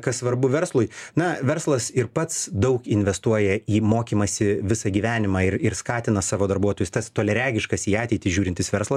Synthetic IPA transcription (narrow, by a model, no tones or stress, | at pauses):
kɐssʋɐɾbʊʋʲɛɾslˠʊjnɐʋʲɛɾslˠɐsɪɾpɐt̪sd̪ɐʊkɪnʲʋʲɛst̪uɔjɛiːmoːkʲiːmɐsʲɪʋʲɪsɐɡʲiːʋʲæːnʲɪmɑːɪɾɪɾskɑːt̪ʲɪnɐsɑːʋoːd̪ɐɾbuɔt̪oːjʊst̪ɐst̪oːlʲɛɾʲæːɡʲɪʃkɐsiːɑːtʲɛɪt̪ʲɪsʒʲuːɾʲɪntʲɪsʋʲɛɾslˠɐs